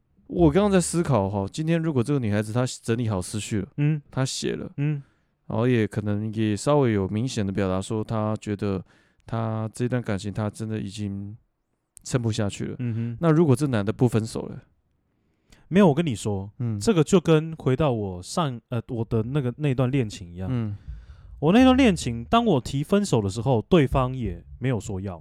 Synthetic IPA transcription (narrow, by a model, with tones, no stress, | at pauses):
wɔ˨˩kŋɑ˥ŋt͡sa˥˩ɪsɹ̩˥kʰɑ˨˩ʊxɔ˥˧t͡ɕi˥nt̪ʰjɛ˥nɻu˧˥kwɔ˨˩ʈ͡ʂɤ˥˩ɡə˩ny˨˩xa˧˥ɪd͡zɹ̩˨t̪ʰa˥t͡sə˧˥nli˧˥xɑ˨˩ʊsɹ̩˦˥t͡ɕʰy˥˩lə̰˩˥˩t̪ʰa˦ɕjɛ̰˨˩lə̰˦˥˩ | jɛ˨˥kʰɤ˨˩nə˧˥ŋjɛ˨˩ʂɑ˥ʊwe˧˥ɪjo˨˩ʊmi˧˥ŋɕjɛ˨˩nd̪ə˦p̬jɑ˨˩ʊt̪a˧˥ʂwɔ˥t̪ʰa˦t͡ɕɥɛ˧˥d̪ə˧ | t̪ʰa˥ʈ͡ʂəɤ˥˩i˧t̪wa˥˩nka˨˩nɕi˧˥ŋt̪ʰa˥ʈ͡ʂə˥nd̪ə˨ḭ˨˩t͡ɕi˦ŋ | t͡sʰə˥npu˧ɕja˥˧t͡ɕʰy̰˥˩lə̰˩m̩˥˧˦na˥˨ɻu˧˥kwɔ˨˩ʈ͡ʂə˥˩na˧˥nd̪ə˨pu˥˩fə˦nso˨˩ʊlə̰˨˩ | me˧˥ɪo˨˩wɔ˨˩kə˦ni˨˩ʂwɔ˥ʈ͡ʂɤ˥˩ɡə˩t͡ɕjo˥˩ʊkə˦nxwe˧˥ɪt̪ɑ˥˩ʊwɔ˨˩ʂɑ˥˨ŋə˨wɔ˨˩d̪ə˦na˥˩ɡə˩na˥˧ɪ˧t̪wa˥˧nljɛ˥˩nt͡ɕʰi˧˥ŋi˧˦jɑ˥˨ŋ̩˥˩wɔ˨˩na˥˧ɪt̪wa˥˨nljɛ˥˨nt͡ɕʰi˧˥˦ŋt̪ɑ˥ŋwɔ˨˩t̪ʰi˧˥fə˦nso˨˩ʊd̪ə˩ʂɻ̩˧˥˦xo˥˧ʊt̪we˥˨ɪfɑ˦˥ŋjɛ˨˩me˧˥ɪjo˨˩ʊʂwɔ˥jɑ̰˥˨ʊ